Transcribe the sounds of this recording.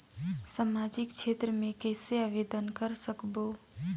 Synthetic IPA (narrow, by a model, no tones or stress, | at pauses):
saːmaːd͡ʒɪkʃeːt̪ɾəmẽkɛːseaːʋeːd̪ənkəɾsəkboː